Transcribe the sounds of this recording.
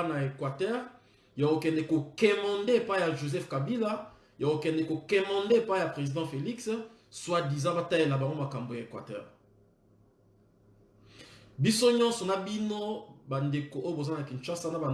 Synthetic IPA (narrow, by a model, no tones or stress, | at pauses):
naekwatɛʁ | jakokɛndɛkokɛmɑ̃ndeepaijaʒozɛfkabila | jakokɛndɛkokɛmɑ̃ndeepaijapʁezidɑ̃feliks | swadizãbatajelabaŋɡomakambojaekwatɛ̰ːʁ | bisoɲɔ̃nsɔnabinobandekoʔojobozanakint͡ʃasanaba